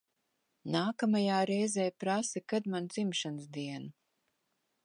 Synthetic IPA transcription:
naːkamajaːɾɛjzɛːjpɾasɛkad̪mand̪z̥imʃansd̪iɛnu

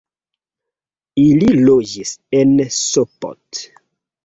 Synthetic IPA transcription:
ililod͡ʒisensopo̰t

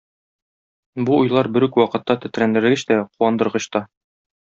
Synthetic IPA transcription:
buujlˠɑɾbɘ̆ɾʉkwɒqɤ̆t̪ːɑt̪ɘ̆t̪ɾænd̪ɘ̆ɘ̆ɡɘɕt̪æquwɑnd̪ɤ̆ɾʁɤ̆ɕt̪ɑ

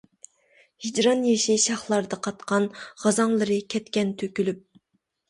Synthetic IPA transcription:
hid͡ʒɾɑnjeʃiʃɑχlˠɑɾd̪ɑqʰɑt̪qʰɑnʁɑzɑŋlˠɨɾɨkʲʰɛt̪kʲɛnt̪ʰøkʲylyp̚

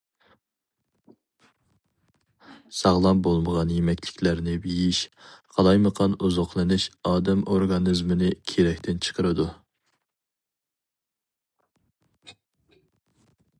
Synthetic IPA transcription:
sɑʁlˠɑmbolˠməʁɑnjemɛkʲlɪ̥kʲlæɾnɪbejiʃqʰɑlˠɑjməqʰɑnuzoqlˠɨnɪʃɑːd̪ɛmoɾɡɑnɨzmɪnɪkʲʰeɾɛkʲt̪ʰɪnt͡ʃʰə̥qʰəɾɨd̪u

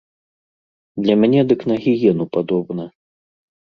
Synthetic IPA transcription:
d̪lʲɐmʲanʲɛd̪ɨknaɣʲijɛnupad̪ɔbnɐ

